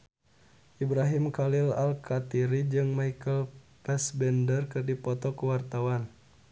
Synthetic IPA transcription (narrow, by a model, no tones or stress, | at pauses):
ʔibɾaɦimkalilalkat̪iɾid͡ʒɨŋmaikəlpɛsbɛndərkɨrdipɔt̪ɔkəwart̪awan